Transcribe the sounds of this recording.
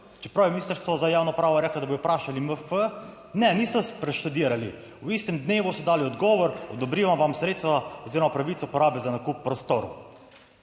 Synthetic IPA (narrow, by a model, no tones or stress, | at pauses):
t͡ʃɛ̥pɾawiminist̪əɾst̪ʋɔzajaːwnɔpɾaːʋɔɾɛklad̪aboːd̪ɔpɾaːʃaliməfə | nɛniːsɔspɾɛʃt̪ud̪iːɾali | uist̪ɛmd̪neːʋusɔd̪aːliɔd̪ɡɔːʋɔɾɔd̪ɔbɾiʋamʋamsɾeːt̪t̪ʋaɔziːɾɔmapɾaʋit̪sɔupɔɾaːbɛzanakupːɾɔst̪oɾṵ